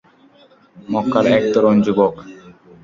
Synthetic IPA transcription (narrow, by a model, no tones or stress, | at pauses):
mɔkːaɾɛk̚t̪ɔɾɔnd͡ʑubɔk